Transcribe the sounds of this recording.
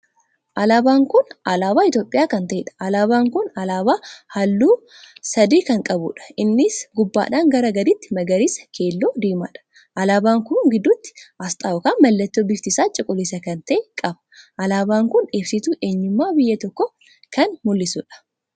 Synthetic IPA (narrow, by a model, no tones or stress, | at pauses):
ʔɐlaːbaːŋkʊnʔɐlaːbaːɪt̪jo̞ːpʼːɪjaːkɐnt̪ɐʔɛᶑɐ̥ʔɐlaːbaːŋkʊnɐlaːbaːhɐlːuː | sɐd̪iːkɐŋkʼɐbʊᶑɐ̥ʔɪnːɪsɡʊbːa̰ːᶑaːŋɡɐɾɐɡɐd̪ɪt̪ːɪmɐɡɐɾɪsɐ̥kʰe̞ːlːoːd̪iːma̰ːᶑɐ̥ | ʔɐlaːbaːŋkʊŋɡɪd̪ːʊt̪ːɪ̥ʔɐst̪ʼaːʊkaːnmɐlːɐt̪ːoːbɪft̪ɪsaːt͡ʃʼɪkʼʊlɪsɐkɐnt̪ɐʔekʼɐbɐ̥ʔɐlaːbaːŋkʊneːfsɪt̪uːʔe̞ːɲːʊmːaːbɪjːɐt̪ɔkːɔ | kɐnmʊlːɪsʊᶑɐ̥